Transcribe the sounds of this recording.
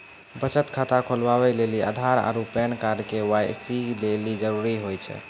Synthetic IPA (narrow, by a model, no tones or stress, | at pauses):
bət͡ʃət̪kʰat̪akʰolbaβɛlelia̰d̪ʱaɾa̰ɾupɛnkaɾkewajsilelid͡ʒəɾuɾiɦojt͡ʃʰɛ̰